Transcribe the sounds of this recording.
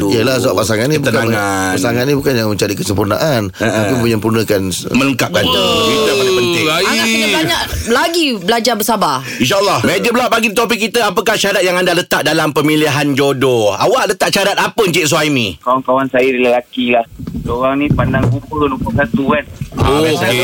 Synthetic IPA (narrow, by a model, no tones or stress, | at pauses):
uijəlasəbaʔpːasaŋannĩbut̪ənkaŋapasaŋannĩbukanjaŋmə̃ɲt͡ʃaɾikəsəmpurna̰ʔanapipuɲãmpurnəkanmələŋkap̚ɡant̪əd̪aapənɪŋaiabaɲaʔlaɡiblad͡ʒabəsaba | inʃ̬aəlːɔhmed͡ʒəblaʔbaɡidit̪op̬ikːit̪əapəkaht͡ʃadat̪̚jaŋandalət̪aʔ̚dalampəmiliɦand͡ʒodoawaʔlət̪aʔ̚t͡ʃaɾat̪apəɲt͡ʃit̪ʔ̚s̬uajmĩkawankawansajədələlakilahsoɣaŋnĩpandaŋkukənupukat̪uanoke